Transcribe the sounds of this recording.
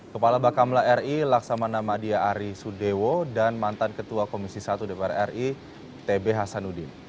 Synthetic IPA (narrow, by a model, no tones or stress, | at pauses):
kəpalabakamlaɛrilaksamanamadiaːɾisudewodanmant̪ankət̪uakomisisat̪udepɛɾaɛri | t̪ebeɦasanudɪn